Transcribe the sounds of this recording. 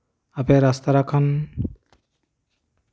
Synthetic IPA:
apeɾast̪aɾakʰan

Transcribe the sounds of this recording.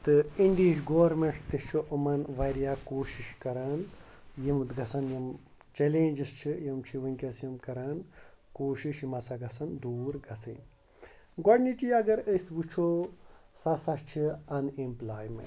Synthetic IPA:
t̪ɨiɳɖiːʂɡoʋɾmeɳʈʰt̪ist͡ʃʰoʔɐmɐnʋɐɾijaːkoːʃiʃkɐɾaːn | jimt̪ɡɐsɐnjim | t͡ʃelẽːnd͡ʒist͡ʃʰijimt͡ʃʰiʋɐnʲkʲɐsjɐmkɐɾaːnkoːʃiʃjimɐsɐɡɐsɐnd̪uːɾɡɐt͡sʰɨ̰n | ɡɔɽnit͡ʃiɐɡɐɾəsbut͡ʃʰosɐsɐʃt͡ʃʰiɐnimplaːjmḛ

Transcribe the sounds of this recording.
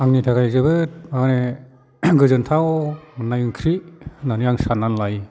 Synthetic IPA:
aŋnitʰaɡajzɯbɯt̚aane | ɡɯzɯntʰawmɯnːajɯŋkʰɾinaniaŋsanːanlaj

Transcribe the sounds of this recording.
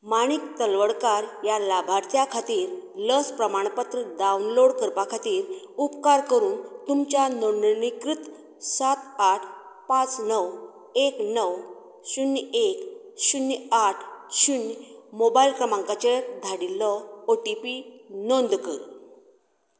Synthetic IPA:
maɽ̃ik̚t̪əlʋəɽkaɾjalabʱaɾt̪ʰjakʰat̪iːɾləspɾəmaɳ̃pət̪ɾəɖawnloɽkəɾpakʰat̪iːɾ | upkaɾkəɾuːnt̪umt͡ɕanonnikɾit̪ | sat̪aʈʰpat͡snəw | eknəw | ɕunːek | ɕunːaʈʰɕunmobailkɾəmãŋkat͡ɕed̪ʱaɽilːɔoʈipinond̪kəɾ

